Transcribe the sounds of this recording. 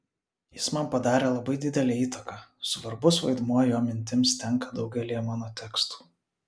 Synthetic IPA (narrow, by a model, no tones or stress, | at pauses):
jɪsmɐmpɐd̪ɑːɾʲeːlˠɐbɐɪd̪ʲɪd̪ʲɛlʲeːiːt̪ɐkɑːsʊʋɐɾbʊsʋɐɪd̪muɔjoːmʲɪnʲt̪ʲɪmst̪ʲɛŋˑkɐd̪ɒʊɡʲɛlʲijɛmɑːnoːt̪ʲɛkst̪u̥ː